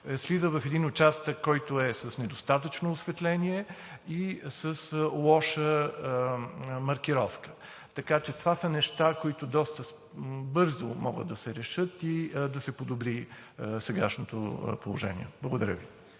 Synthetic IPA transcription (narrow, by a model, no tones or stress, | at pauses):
slizəvɐfɛd̪inot͡ʃast̪əkːɔjt̪ʊɛsəsnɛd̪ost̪at̪ət͡ʃnoːsvɛt̪lɛniɛisəslˠɔʃə | mɐɾkiɾɔfkə̥ | t̪ɐkat͡ʃɛt̪ovasənɛʃt̪akoit̪ʊd̪ɔst̪əs | bɤɾzomɔ̰ɡə̰d̪ːɐsɛɾɛʃɤt̪id̪ɐsɛpod̪obɾi | sɛɡaʃnot̪o̰polˠoʒɛnʲḭɛb̥lˠəɡod̪ɐɾʲə̰vi